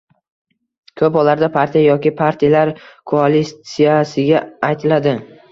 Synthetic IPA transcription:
kʰɵpɒlaɾd̪apʰaɾt̪ʰijajɒkʲɪpʰaɾt̪ʰijalaɾkʰoalisijasɪɡʲaajt̪ʰɪlad̪ɪ

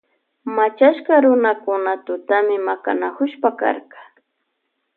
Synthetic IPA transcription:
mat͡ʃaʃkaɾʊnakʊnat̪ʊt̪amɪmaka̰nakʊʃpaka̰ɾqɑ̥

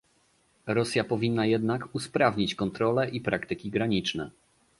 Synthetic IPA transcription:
ɾɔsʲjapɔvʲinːajɛd̪nakuspɾavɲit͡ɕkɔnt̪ɾɔlɛʔipɾakt̪ɘkʲiɡɾaɲit͡ʂnɛ̰

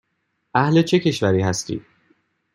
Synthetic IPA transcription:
ʔæhle̞t͡ʃʰe̞cʰe̞ʃvæɾiːɦæst̪ḭːd̪̥

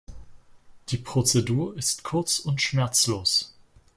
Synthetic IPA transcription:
d̥iːpʁ̥ot͡seduːɐɪstkʰʊɐt͡sʊntʃmɛɐt͡sloːs

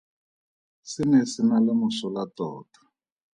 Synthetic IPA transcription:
sinɛsinalamusɔlatɔːtḁ

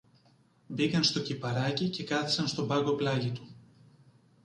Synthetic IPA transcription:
bikɐnst̪o̞cipɐɾɐcice̞kɐθi̥sɐnst̪o̞bɐɡo̞plɐʝit̪u

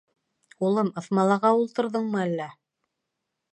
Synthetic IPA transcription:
ulˠɤmɤ̆θmɑlˠɑʁɑulˠt̪ɤ̆ɾðɤɴmɤælːæ

